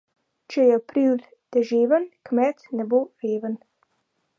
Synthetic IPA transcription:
t͡ʃɛjɛpɾiwl | d̪̥ɛʒeːvənkmɛt̪nɛboɾeːvən

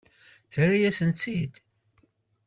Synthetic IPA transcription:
θɾajæsənt͡sːid̪

